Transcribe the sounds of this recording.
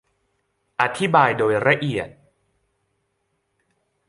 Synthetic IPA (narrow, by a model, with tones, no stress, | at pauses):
ʔa˧t̪ʰi˦˥baː˧jdoː˧jɾa˧ʔi˨˩ət̪̚